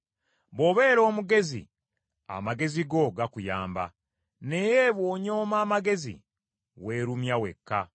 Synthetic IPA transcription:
βo̞βe̞ːɾo̞ːmuɡe̞zḭ | a̰maɡe̞ziɡo̞ɡakujaːmba̰ | ne̞jeβwoːɲo̞ːmaːmaɡe̞zḭ | we̞ːɾumjawe̞̰kʰːa

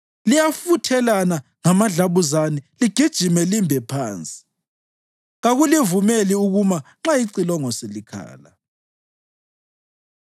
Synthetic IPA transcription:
lijafutʰɛlana | ŋamaɮaβuzaniliɡ̥ʱid̥ʒ̥ʱimɛlimbʱɛpʰaːnt͡sʼi̥ | ɣaɣulivumeliuɣumaŋ͡ǁajiǀilɔŋɔselikʰa̰ːla

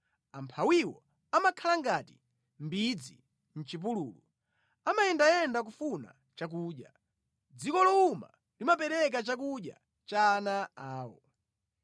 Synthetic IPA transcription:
ampʰawiwɔ | amakʰalaŋɡati̥ | mbid͡zḭ | n̩t͡ʃip̬ululu | amaɛndajɛndak̬ufuna̰ | t͡ʃak̬uːɗja | d͡zikɔlɔuma̰ | limap̬ɛɾɛk̬at͡ʃakuɗja̰ | t͡ʃanaaːwɔ

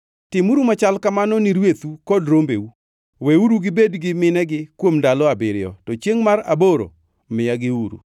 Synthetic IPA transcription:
tɪmuɾumat͡ʃalkamanɔniɾwet̪ukɔdɾombḛu | weuɾuɡɪbedɡɪmɪnɛɡɪkwomdalɔabɪɾɪjɔ̰tɔt͡ʃjeŋmaɾaboɾo̰ | mɪjaɡɪuɾṵ

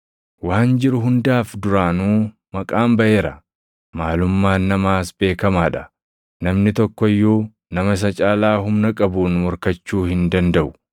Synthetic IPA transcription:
waːnd͡ʒɪɾʊɦʊnd̪aːfd̪ʊɾaːnuː | mɐkʼaːmbɐʔe̞ːɾɐ | maːlʊmːaːnːɐmaːsbe̞ːkɐmaːᶑɐ̥ | nɐmnɪt̪ɔkːɔjːuː | nɐmɐs̬ɐt͡ʃʼaːlaːɦʊmnɐkʼɐbuːnmɔɾkɐt͡ʃːuːhɪnd̪ɐnd̪ɐʔʊ

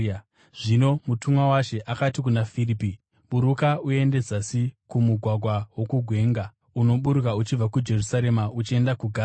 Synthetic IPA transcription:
ʐ̥ino̞mutumwawaʃe̞ʔakatik̬unafiripi | muɾukaue̞nde̞d͡zasikumuɡʱwaɡʱwawo̞kuɡʱwe̞ːŋɡa | uno̞ɓuɾukaut͡ʃivakud͡ʒe̞rusaɾe̞maut͡ʃie̞ndakuɡʱaː

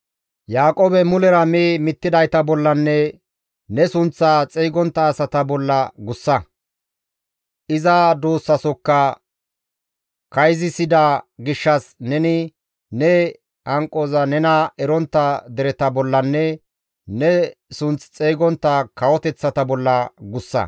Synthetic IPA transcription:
jaːkʼoːbɛmʊlɛɾɐmeːmɪt̪ːɪd̪ɐjt̪ɐbɔlːɐnːɛ | nɛsʊnt͡sːat͡sʼeːjɡɔnt̪ːɐːsɐt̪ɐbɔlːɐɡʊsːɐ | ʔɪzɐd̪oːsːɐsɔkːɐ | kɐjzɪsɪd̪aɡɪʃːɐsnɛnɪ | nɛ | hɐŋkʼːozɐnɛnɐɛɾɔnt̪ːɐd̪ɛɾɛt̪ɐbɔlːɐnːɛ | nɛsʊnt͡st͡sʼeːɡɔnt̪ːɐkɐwɔt̪ɛt͡sːɐt̪ɐbɔlːɐɡʊsːɐ̰

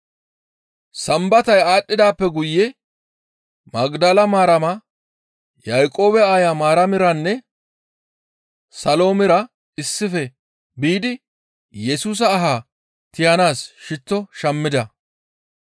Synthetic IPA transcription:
sɐmbɐt̪ɐjaːɗːɪd̪aːpːɛɡʊjːɛ | mɐɡd̪ɐlɐmaːɾɐmɐ | jɐjkʼo̞ːbɛaːjamaːɾɐmɪɾɐnːɛ | sɐlo̞ːmɪɾɐ | ɪsːɪfɛ | biːd̪ɪ | jɛsuːs̬ɐːɦaː | t̪ɪjɐnaːsʃɪt͡sːɔʃɐmːɪd̪ɐ

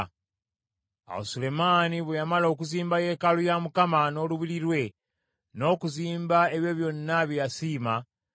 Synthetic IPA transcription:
a̰wosule̞maːniβwejamalo̞ːk̬uziːmbaje̞ːkalujamukamano̞ːluβiɾiɾwe̞ | no̞ːkuziːmbaeβjeːβjo̞nːaβijasiːma

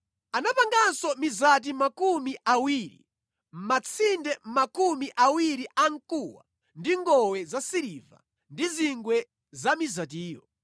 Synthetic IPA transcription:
anapaŋɡansɔmizat̬imakumiʔawiːɾḭ | m̩mat͡sʰindɛmakumiʔawiɾiʔaŋkuwa̰ | ndiŋɡɔwɛzasiɾiva̰ | ndiziŋɡwɛ | zamizat̬iːjɔ

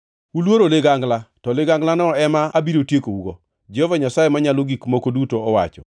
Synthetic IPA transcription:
ulwoɾoleɡaŋɡlatɔlɪɡaŋɡlanɔɛmaabiɾotjekouɡo | d͡ʒɛhɔvaɲasajemaɲaloɡikmokodutoɔwa̰t͡ʃɔ

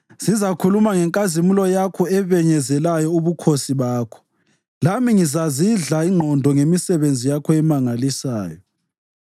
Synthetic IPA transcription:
z̥izakʰulumaŋɛŋkʼazimulɔjakʰɔɛβɛɲɛzɛlajɔuβukʰosiβaːkʰɔ̥ | lamiŋizaziɮaiŋ͡ǃʱɔndʱɔŋemisɛβend͡zʱijakʰɔɛmaŋalisa̰ːjɔ

